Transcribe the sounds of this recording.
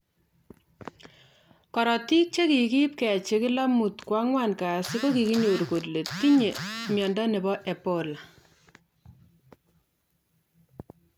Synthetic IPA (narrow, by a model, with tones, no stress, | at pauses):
kɔ˨ɾɔ˨ti˦k̚t͡ʃe˦ki˨ki˦p̚kɛ˨t͡ʃe˦kɪ˦la˦mu˨tkwa˦ŋwa˦˨nkaː˨si˦ko˦ki˨ki˦ɲo˨ɾko˨tle˨tːi˦ɲe˨mjɔ˨nda˦ne˨bɔ˦ʔe˨po˦la˨